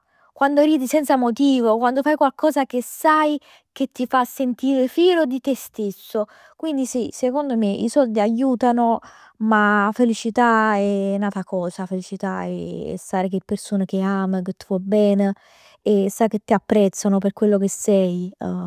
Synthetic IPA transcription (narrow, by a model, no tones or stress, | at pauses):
kwand̪oɾiːd̪isɛnt̪samot̪iːvokwand̪ofajkwalkɔːzak̟esaj | k̟et̪ːifasːent̪iːɾefiːlod̪it̪est̪esːo | kwind̪isisekond̪omeḭsɔld̪iajuːt̪ano | mafelit͡ʃit̪aɛnaːt̪akɔːzafelit͡ʃit̪aɛ̰saːɾek̟epːersoːnek̟eaːmeket̪ːivɔbɛːne | ɛsːak̟et̪ːiapːɾɛt̪sːanoperkwelːokesɛj